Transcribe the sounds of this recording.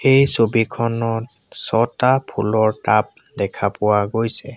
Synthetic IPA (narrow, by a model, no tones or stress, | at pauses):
ejsobikʰɔnɔt̚ | sɔtapʰulɔɹtap̚ | dɛkʰapʊwaɡojsɛ